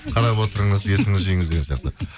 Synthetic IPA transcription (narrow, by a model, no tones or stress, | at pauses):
qʰɑɾɑpwo̞t̪əɾəɴəze̞sɪŋɪzʒijŋɪzd̪eɡʲensjɑ̰qt̪əə